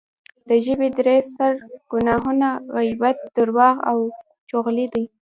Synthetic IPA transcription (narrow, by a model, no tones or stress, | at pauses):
d̪əʒəbed̪ɾest̪aɾɡ̥ʊnɑɦunaɣajbat̪̚d̪̥əɾwɑɣa̰w | t͡ʃoɣlid̪ij